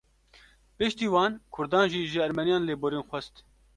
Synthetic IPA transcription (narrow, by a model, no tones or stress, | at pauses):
pɪʃt̪iːwɑːnkʰʊɾd̪ɑːnʒiːʒɪɛɾmɛnijɑːnleːboːɾeːnxʷɛst̪